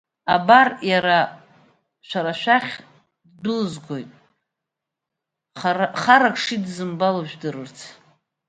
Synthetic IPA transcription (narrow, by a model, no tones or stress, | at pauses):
abarjaɾa | ʃʷᶣaɾaʃʷᶣaχʲ | ddʷʊlɨzɡʷojtʼ | χaɾakʰʂidzɨmbaloʒᶣdɨrɨrt͡sʰ